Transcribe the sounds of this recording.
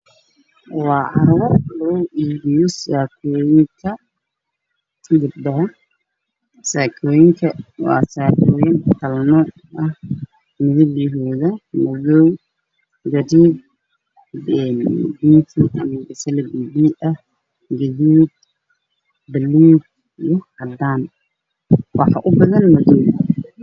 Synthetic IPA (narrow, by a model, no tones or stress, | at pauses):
wɑːʕɑ̰ɾuːrlɐɔʔiːβijɔsaːkʰɔːjɪŋkʰɐ | ɡʊbd̪ɐ | saːkʰɔːjɪŋkʰɐwɑ̰ːsaːkʰɔːjɪnt̪ʰɐlnɔ | ʔɐh | mɪðɪβjɦɔːðɐmɐðɔw | ɡɐɾiːd̚ | ɛndiːnt̪ʰiʔɐ̰mɐɡɐsɐlɐɡibiːɐh | ɡɐðiːd̪ | bɐluːd̪̚ | ijɔɐd̪aːn | wɑħɑ̰ʔʊbɐðɐnmɐðɔw